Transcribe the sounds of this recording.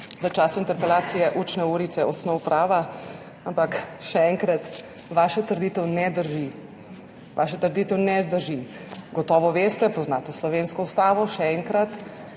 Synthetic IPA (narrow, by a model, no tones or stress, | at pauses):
ʋət͡ʃaːsuint̪ɛɾpɛlaːt̪sijɛʔut͡ʃnɛuːɾit̪sɛɔsnɔwpɾaːʋa | ampakʃɛɛŋkɾat̪ | ʋaːʃat̪əɾd̪iːt̪ɛwnɛd̪əɾʒi | ʋa̰ːʃat̪əɾd̪iːt̪ɛwnɛd̪əɾʒiɡɔt̪ɔːʋɔʋeːst̪ɛpɔznaːt̪ɔslɔʋenskɔust̪aːʋɔʃɛɛŋkɾat̪